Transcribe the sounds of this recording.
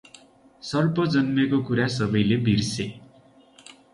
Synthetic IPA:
sʌrpʌd͡zʌnmekokuɾas̬ʌbʌjlebʱirse

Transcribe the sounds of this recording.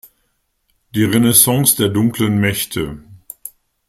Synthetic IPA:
d̥iːʁenesɑ̃ŋsd̥eːɐdʊŋklənmɛçtʰə

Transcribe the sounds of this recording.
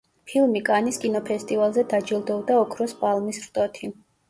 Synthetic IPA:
pʰilˠmikʼaniskʼinɔpʰɛst̪ʼivalˠzɛd̪ad͡ʒilˠd̪ɔvd̪aɔkʰɾɔspʼalˠmisɾt̪ʼɔt̪ʰi

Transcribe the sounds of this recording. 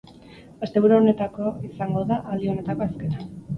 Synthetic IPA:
best̪e̞βuɾuone̞t̪ako̞isaŋɡo̞ðaʔːld̪io̞ne̞t̪ako̞aske̞nan

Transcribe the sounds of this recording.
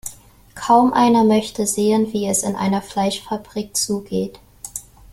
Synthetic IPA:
kʰaʊmʔa̰ɪnɐmœçtəzeːənviːɛsɪnʔa̰ɪnɐflaɪʃfabʁiːk̚t͡suːɡeːt

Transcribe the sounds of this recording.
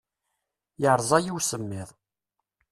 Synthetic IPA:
jəʕɾˤzˤɑjiwsəmːɪðˤ

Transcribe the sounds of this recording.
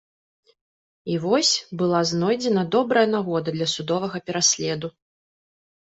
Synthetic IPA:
ivɔsʲbɨlˠaznɔjd͡zʲɛnɐd̪ɔbɾɐjɐnaɣɔd̪ɐd̪lʲɐsud̪ɔvɐɣɐpʲɛɾasʲlʲɛd̪u

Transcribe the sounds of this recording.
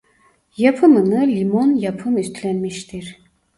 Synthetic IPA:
japʰɯmɯnɯlimonjapʰɯmyst̪ʰlænmiʃt̪ʰiɾ

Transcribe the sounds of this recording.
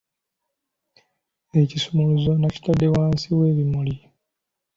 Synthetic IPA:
ecisumuluzo̞naci̥tadːewaːnsiwe̞ːβimuli

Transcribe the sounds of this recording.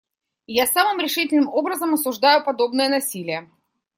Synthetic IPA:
jasamɨmɾʲɪʂɨtʲɪlʲnɨmo̞bɾəzəmɐsʊʐd̪ajʊpɐd̪o̞bnɨjənɐsʲilʲɪjə

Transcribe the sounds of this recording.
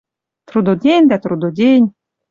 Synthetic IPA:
t̪ɾud̪od̪ʲenʲd̪æt̪ɾud̪udʲenʲ

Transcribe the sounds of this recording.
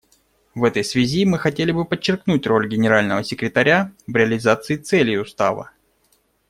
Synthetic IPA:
vɛt̪əjsvʲɪzʲimɨxɐtʲelʲɪbɨpət͡ɕːɪrknutʲro̞lʲɡʲɪnʲɪɾalʲnəvəsʲɪkɾʲɪt̪ɐɾʲavɾʲɪɐlʲɪzat̪sɨɪt̪sɛlʲjɪʊst̪a̰və̰

